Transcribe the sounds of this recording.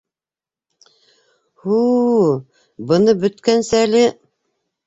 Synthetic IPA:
hu | bɤ̆nɤbɵ̆t̪kænsɘælɘ

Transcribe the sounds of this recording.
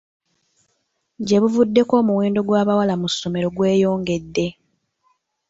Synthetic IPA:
ɟe̞βuvudːe̞ko̞ːmuweːndo̞ɡwaːβawalamusːo̞me̞ɾo̞ɡwe̞ːjo̞ːŋɡe̞dːe̞

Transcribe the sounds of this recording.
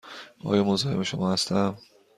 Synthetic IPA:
ʔɒ̰ːjɒːmozɒːheme̞ʃomɒːhæst̪æm

